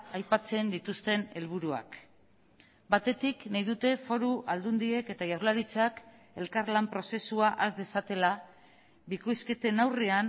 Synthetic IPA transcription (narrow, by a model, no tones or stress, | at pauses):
ajpat͡se̞nd̪it̪ust̪e̞ne̞lβ̞uɾua̰k | bat̪e̞t̪iknajðut̪e̞fo̞ɾuʔald̪und̪ie̞ke̞t̪aʝawrlaɾit͡sak | e̞lkaɾlampɾo̞se̞suaʔazd̪e̞sat̪e̞la | biko̞jske̞t̪e̞nawrean